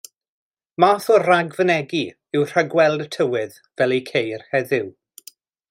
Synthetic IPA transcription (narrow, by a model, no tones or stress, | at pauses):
maːθɔraɡvənɛɡi | ɪwr̥aɡwɛlˠdtʰəwɪð | vɛlˠikʰejrhɛðɪw